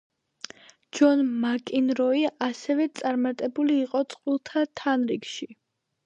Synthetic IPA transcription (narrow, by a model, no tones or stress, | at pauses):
d͡ʒɔnmakʼinɾɔiasɛvɛt̪sʼaɾmat̪ʼɛbuliːqʼɔt̪sʼqʼwilˠt̪ʰat̪ʰanɾikʃi